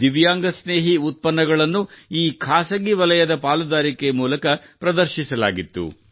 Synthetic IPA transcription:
d̪iʋjaːŋɡɐsneːɦiut̪̚pɐnːɐɡɐɭɐnːuiːkʰaːsɐɡiʋɐlɐjɐd̪ɐpaːlud̪aːɾikejmuːlɐkɐpɾɐd̪ɐɾʃisɐla̰ːɡit̪ːṵ

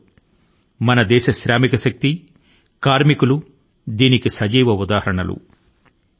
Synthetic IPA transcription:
mɐnɐd̪ɛːʃɐʃɾaːmikɐʃɐk̚t̪i | kaːɾmikulu | d̪iːnikisɐd͡ʒiːʋɐud̪aːɦɐɾɐɳɐlṵ

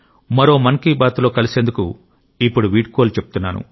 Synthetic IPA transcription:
mɐɾo̞ːmɐnkiːbaːt̪lo̞ːkɐlise̞ːnd̪ukṵ | ipːuɽuʋiːʈ̚koːlt͡ʃebu̥t̪unːa̰ːnṵ

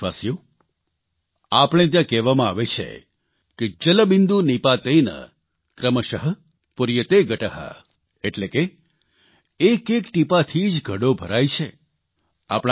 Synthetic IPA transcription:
asjo | apɽ̃et̪̬jãkɛʋamãaʋet͡ʃʰḛ | ked͡ʒələbind̪unipat̪əinə̰ | kɾəməʃəɦə | puɾjət̪eɡʱəʈəɦa̰ | eʈleke | kekʈipat̪ʰid͡ʒɡʱəɽobʱəɾajt͡ʃʰe | a̰pɽ̃

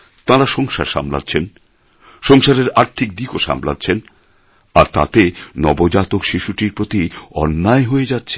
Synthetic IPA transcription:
t̪ãɾaʃɔŋʃa̰ɾʃa̰mla̰tːɕʰen | ʃɔŋʃaɾeɾaɾt̪ʰik̚d̪ikoʃa̰mla̰tːɕʰen | aɾt̪a̰t̪enɔbod͡ʑat̪okʃiʃuʈiɾpɾot̪iɔnːaeɦoed͡ʑatːɕʰe

